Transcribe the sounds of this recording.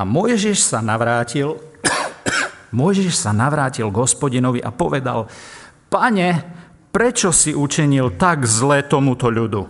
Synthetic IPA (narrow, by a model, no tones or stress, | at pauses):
amʊɔjʒiʃsanaʋɾaːcil | mʊɔjʒiʃsanaʋɾaːcilɡɦɔspɔɟinɔʋiʔapɔʋɛd̪a̰l | paɲɛ | pɾɛt͡ʃɔsiʔut͡ʃiɲilt̪aɡzlɛːt̪ɔmut̪ɔʎud̪u